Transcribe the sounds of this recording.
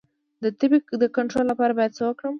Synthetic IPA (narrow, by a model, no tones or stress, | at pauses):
d̪ət̪ɪbikd̪əkaɳʈɾolːapɑɾabɑjad̪̚t͡səwəkɽəm